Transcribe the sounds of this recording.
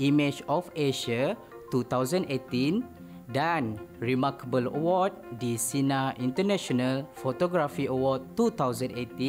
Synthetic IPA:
ʔimed͡ʒɔfeʃa | t̪ut̪awzə̃ndet̪ĩn | dãnɹimakəbələ̰wɔd̚disinaʔĩnt̪ənɛ̃ʃonalfot̪oɡɾafiəwɔd̚t̪ut̪awzə̃net̪ĩ

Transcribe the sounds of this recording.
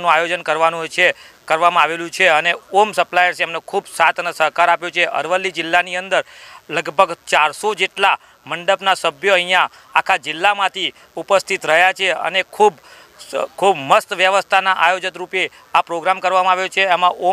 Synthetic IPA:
nũajod͡ʒənkəɾʋanũt͡ʃʰekəɾʋamãaʋelũt͡ʃʰeəneomsəplajəɾsɛmnekʰubsat̪ʰnəsəɦkaɾapjot͡ʃʰeʔə̰ɾʋəlːid͡ʒɪlːaniənd̪əɾləɡbʱəɡt͡ʃaɾsod͡ʒeʈla | məɳɖəpnasəbʱjoəɦijã | akʰad͡ʒɪlːamãt̪ʰi | upəst̪ʰit̪ɾəɦjat͡ʃʰeə̰nekʰub | kʰubməst̪ʋjəʋəst̪ʰanaʔajod͡ʒət̪ɾupe | apɾoɡɾamkəɾʋamãaʋjot͡ʃʰeːmãʔo

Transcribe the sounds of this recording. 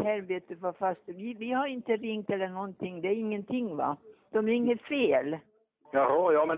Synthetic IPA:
hæɾbeːt̪əfɑfast̪əʋɪvɪhaɾɪnt̪əɾɪŋt̪ɛlːəɳɔnt̪ʰɪŋːd̪ɛæɾɪŋːənt̪ʰɪŋːva̰d̪̥ɔmæɾɪŋːəfeːl | jɑhɑjɑːmɛ

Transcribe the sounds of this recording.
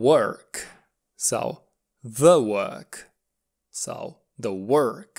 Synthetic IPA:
wɜ˞k | so̰ʊ | ðəwɜ̰˞k | so̰ʊ | ðəwɜ˞k

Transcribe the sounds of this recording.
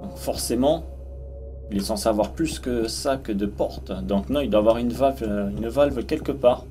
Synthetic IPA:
ɔ̃kfɔʁsemɑ̃ | ilɛsɑ̃savwaʁplyskəsakəd̪əpɔʁt̪d̪ɔ̃knɔ̃ild̪waːvwaʁynvalvynvalvkʲɛlkəpaːʁ

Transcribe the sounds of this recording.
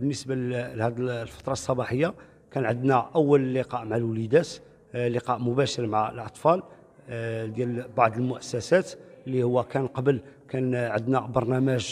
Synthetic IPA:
bənːəsbahæd̪lfɑ̥t̪ˤɾˤɑsˤːɑbɑħəjːa | kænʕəd̪næʔəwːəllːiqɑʔmʕalwlid̪æt̪ | lːiqɑʔmʊbæʃəɾmʕalʔɑt̪ˤfɑl | d̪jælbɑʕd̪ˤəlmʊʔəsːæsæt̪lːihʊwːækænqɑbəlkænʕəd̪næbɑɾˤnæmæʒ

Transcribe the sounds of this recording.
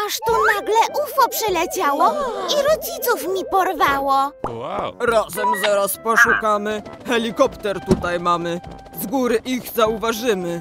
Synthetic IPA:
aʂt̪ɔnaɡlɛʔufɔpʂɘlɛt͡ɕawɔiɾɔd͡ʑit̪sufmʲipɔɾvawɔwaɾazɛmzaɾaspɔʂukamɘxɛlʲikɔpt̪ɛɾt̪ut̪ajmamɘ | zɡuɾɘʔiɣzauvaʐɘmɘ

